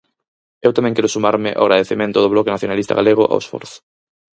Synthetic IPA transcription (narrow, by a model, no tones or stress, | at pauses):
ewt̪amɛ̃ŋkɛɾʊsumaɾmɪ̰ʔo̰ɣɾað̞eθemẽnt̪ʊðʊβlɔkenaθjonalist̪a̰ɣaleɣ̞oʔa̰wesfɔ̰ɾθʊ̥